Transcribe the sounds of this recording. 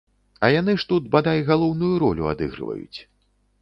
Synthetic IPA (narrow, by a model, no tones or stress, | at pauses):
ɐjanɨʂt̪ut̪bad̪ajʲɣalˠɔwnujuɾɔlʲuad̪ɨ̰ɣɾɨ̰vɐ̰jṵt͡sʲ